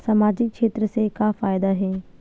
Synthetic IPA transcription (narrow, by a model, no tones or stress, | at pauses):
sɐmaːd͡ʑikʃʰeːt̪ɾəsekafaːɪd̪aɦeː